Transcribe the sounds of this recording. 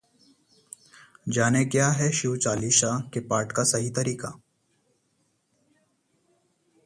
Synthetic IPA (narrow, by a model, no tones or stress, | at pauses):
d͡ʒaːnekjaːɦɛʃuʋt͡ʃaːliʃaːkepaːɾʈkasɐɦit̪ɐɾiːka